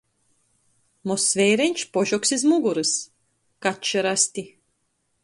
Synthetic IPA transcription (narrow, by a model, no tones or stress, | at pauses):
mɔsvʲɛjɾɛɲʲt͡ʃpɔʒɔksizmuɡuɾɨs | katt͡ʃɨɾasʲt̪ʲi